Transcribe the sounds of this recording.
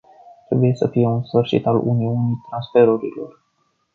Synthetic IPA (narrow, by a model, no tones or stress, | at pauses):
t̪ɾe̞buje̞səfije̞unsfɨrʃḭt̪alṵniunijt̪ɾansfe̞ɾuɾḭlo̞̰r